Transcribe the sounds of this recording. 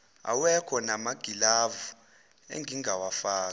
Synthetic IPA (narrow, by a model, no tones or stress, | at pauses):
a̰wɛkʰɔnamaɡ̥ʱilavu | ḛŋɡʱiŋɡʱawafaːk